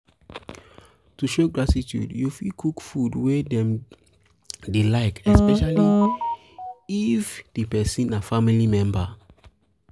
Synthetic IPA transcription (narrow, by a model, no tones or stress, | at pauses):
tuʃoɡɹatitjṵdjufikʰukfudwedɛ̃m | delaɪkɛspɛʃali | ifd̥ipɛsĩnafamilimɛ̃mba